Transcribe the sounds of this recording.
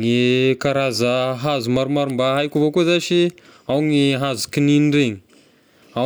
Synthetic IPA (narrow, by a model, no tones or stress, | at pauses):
ŋikaɾazəɦazumaɾumaɾumbaɦajkʲuvokuzaʃi | awŋiɦazu̥kininɖ͡ʐeŋi | a